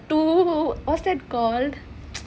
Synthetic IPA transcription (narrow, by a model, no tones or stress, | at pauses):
ʈuɔseɖkɔlɖ